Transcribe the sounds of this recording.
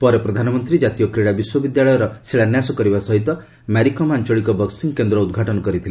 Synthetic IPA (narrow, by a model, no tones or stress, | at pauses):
pɔɾepɾɔd̪ʱanɔmɔnt̪ɾid͡ʒat̪ijɔkɾeɽabiswɔbid̪jaɭɔjɔɾɔseɭanjasɔkɔɾibasɔɦit̪ɔ | maɾikɔmant͡ʃɔɭikɔbɔksiŋkend̪ɾɔud̪ɡʱaʈɔnɔkɔɾit̪ʰile